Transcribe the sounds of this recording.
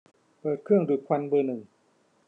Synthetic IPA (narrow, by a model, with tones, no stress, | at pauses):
pɤː˨˩t̪̚kʰɯ˥˩əŋdu˨˩kʰwa˧nbɤː˧nɯ˨˩ŋ